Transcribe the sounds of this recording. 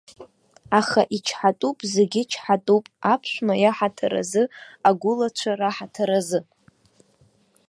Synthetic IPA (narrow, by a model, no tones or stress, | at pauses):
aχaʔit͡ʃʰħatʼupʼzeɡʲɪt͡ʃʰħatʼupʼapʰʃʷᶣmajaħatʰa̰ɾa̰zɨaɡʷʊlat͡ʃʷʰaraħatʰaɾazɨ